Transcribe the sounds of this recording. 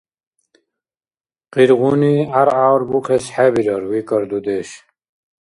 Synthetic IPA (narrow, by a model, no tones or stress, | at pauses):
qiɾʁuniaɾawɾbuqʰesħæbiɾəɾwikəɾd̪ud̪eɕ